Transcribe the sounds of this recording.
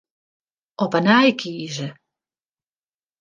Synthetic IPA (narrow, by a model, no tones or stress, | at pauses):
ɔpanaːjkʰiːʒɛ